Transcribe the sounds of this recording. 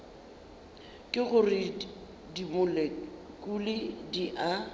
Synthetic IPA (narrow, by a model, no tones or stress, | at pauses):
kʼɪɣʊrɪ | dimʊlɛ | kʼulɪdiʔa